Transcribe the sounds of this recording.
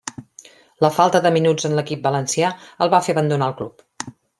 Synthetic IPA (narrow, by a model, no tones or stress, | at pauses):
ləfalˠt̪əðəminud͡zənləkip̚bələnsiaəlˠβafeəβənd̪unaəlˠklup